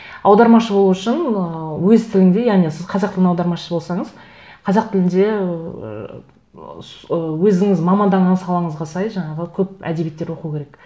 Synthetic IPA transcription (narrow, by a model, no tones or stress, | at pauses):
ɑwd̪ɑɾmɑʃəbo̞lˠuʏʃɪnəwɵzt̪ʰɪlɪŋd̪e̞jɑʁnisɪzqʰɑzɑqt̪ɪlɪɑwd̪ɑɾmɑʃə̥səbo̞lˠsɑɴəz̥ | qʰɑzɑq̚t̪ʰɪlɪnd̪e̞ | səwɵzɪŋɪzmɑmɑnd̪ɑɴɑnsɑlˠɑɴəzʁɑsɑjʒɑɴɑʁəkʲʰɵp̚æ̰d̪e̞bijet̪ːeɾwo̞qukʲʰe̞ɾek